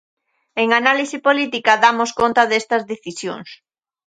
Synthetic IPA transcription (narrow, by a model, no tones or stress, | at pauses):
eŋanalisipolit̪ikɐðamoskont̪ɐðest̪ɐzðeθisjo̰ŋs